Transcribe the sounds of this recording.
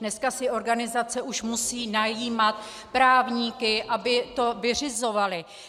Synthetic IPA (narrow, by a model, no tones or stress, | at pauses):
nɛskasɪʔo̞ɾɡanɪzat͡sɛʔuʃmusiːnajiːmat̪ | pɾaːvɲiːkɪʔabɪt̪o̞vɪr̝ɪzo̞valɪ